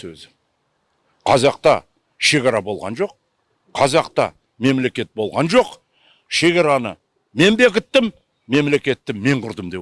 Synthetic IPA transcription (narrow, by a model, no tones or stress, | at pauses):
ɵ̰zɪ | qʰɑzɑq̚t̪ɑ | ʃe̞kʲɑɾɑbo̞lˠʁɑ̰nʒo̞q | qʰːɑzɑqt̪ɑ̰ | me̞mle̞kʲe̞t̪̚bo̞lˠʁɑnʒo̞q | ʃe̞ɡʲɑɾɑnə̰ | me̞nbe̞kʲɪt̪ːɪmː | e̞mle̞kʲe̞t̪ːɪmːe̞ɴqʰʊɾd̪əmd̪e